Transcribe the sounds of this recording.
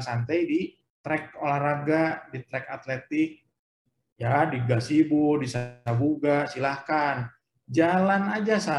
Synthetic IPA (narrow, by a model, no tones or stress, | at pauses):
sant̪ajdi | t̪ɾɛk̚olahraɡadit̪ɾɛkat̪lɛt̪ɪk̚ | jadiɡasibudisaabuɡasilahkan | d͡ʒalanad͡ʒasa